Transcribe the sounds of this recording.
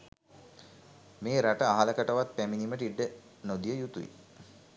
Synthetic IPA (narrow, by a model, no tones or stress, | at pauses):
meːɾaʈəaɦaləkəʈəʋat̪̚pæminiməʈiɖːə | nod̪ijəjut̪uḭ